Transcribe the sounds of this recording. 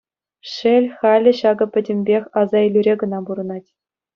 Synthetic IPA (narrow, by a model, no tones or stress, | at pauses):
ʂelʲχɑlʲɘ̆ɕɑɡɤ̆pʲɘ̆dʲɘ̆mʲbʲexʲɑzɑelʲyɾʲeɡɤ̆nɑbuɾɤ̆nɑtʲ